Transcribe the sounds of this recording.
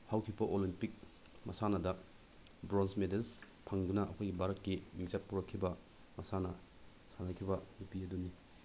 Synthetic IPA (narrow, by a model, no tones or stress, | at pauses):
hawkʰibɐʔolimpik̚ | mɐsanɐdɐ | bɾonsmedels | pʰɐŋdunɐʔɐkʰojɡibʱaɾɐtkːimiŋsat̚puɾɐkʰːibɐ | mɐsanɐ | sanɐkʰibɐnupiɐduni